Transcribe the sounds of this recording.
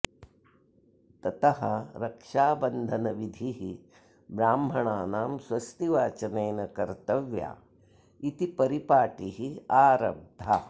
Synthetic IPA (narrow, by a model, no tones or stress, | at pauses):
t̪ɐt̪ɐɦɐɾɐkʂaːbɐnd̪ʱɐnɐʋid̪ʱiɦi | bɾaːmbʱɐɳaːnaːmsʋɐst̪iʋaːt͡ʃɐnɐjnɐkɐɾt̪ɐʋja̰ː | it̪ipɐɾipaːʈiɦiaːɾɐ̰b̚d̪ʱa